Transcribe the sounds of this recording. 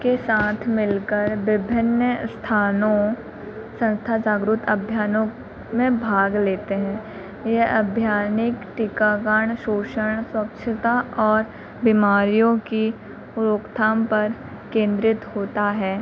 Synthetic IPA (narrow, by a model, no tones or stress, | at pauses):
kesaːt̪ʰmɪlkəɾʋɪbʱɪnjəst̪ʰaːnõ | sə̃nst̪ʰad͡ʒaːɡɾʊt̪ʰəbʱjaːnõ | mẽbʱaːɡleːt̪eɦɛ̃ː | jeʔɐbʱjaːnɪkʈɪkaːɡəɳʃoːʃəɳ̃swɐkt͡ʃʰət̪aɔːɾ | bimaːɾijõki | ʊɾoːkt̪ʰaːmpɐɾ | kẽːnd̪ɾɪt̪ɦoːt̪aɦɛː